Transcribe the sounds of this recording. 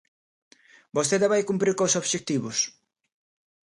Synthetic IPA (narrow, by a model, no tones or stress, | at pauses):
bosθeðaβajkumpɾiɾkosoβʃek̚t̪iβʊs